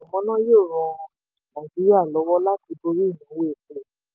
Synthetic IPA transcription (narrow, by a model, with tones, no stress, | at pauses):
a˨mɔ̃˨˧˦nã˦jo˦˨ɾɔ̃˧ | mɔ̃˨d͡ʒi˦ɾa˦˨lɔ˨˦wɔ˦la˦ti˧bo˧ɾi˦˨nĩ˨˦we˦˨ke˨˦